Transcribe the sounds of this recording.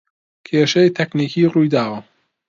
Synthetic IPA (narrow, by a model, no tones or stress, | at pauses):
kʰeːʃejt̪ʰɐkniːkʰiːruːjd̪aːwɐ